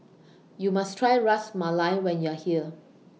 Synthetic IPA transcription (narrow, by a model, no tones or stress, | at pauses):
jumastʰɹajɹasmalaɪwɛ̃njuahiə